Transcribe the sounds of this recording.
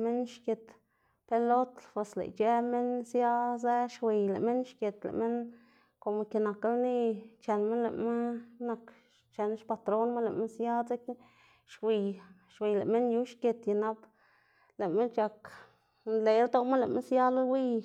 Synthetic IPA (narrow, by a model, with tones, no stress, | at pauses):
me˦nʃkʲe˨t̪ | pe˧lo˦t̪lpwe˨slḛ˨jt͡ʃe˦me˦nsja˦ze˦ʃwi˨jlḛ˨ʔme˦nʃkʲe˨t̪lḛ˨ʔme˦n | ko˨m˧ke˨na˨ka˦lni˦t͡ʃe˨nme˦nlḛ˨ʔma˦na˨k | t͡ʃe˨n˦ʃpa˧t̪ɾo˦nma˦lḛ˨me˦nsja˦dze˦k | ʃwi˨j | ʃwi˨jle˨ʔme˦nju˦ʃkʲe˨t̪ja˨na˦p | le˨me˦nt͡ʃa˧k | le˨jɾd̪o˧ma˦le˨mḛ˦nsja˦lo˦lwi˦j